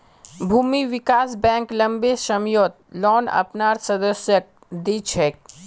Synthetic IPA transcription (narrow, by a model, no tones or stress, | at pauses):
bʱuːmiʋɪkaːsbɛ̃ːŋklɐ̃mbesɐmjoːt̪̚lɔːnɐ̰pnaːɾsɐd̪əsjək̚ | d̪iːt͡ʃʰeːk̚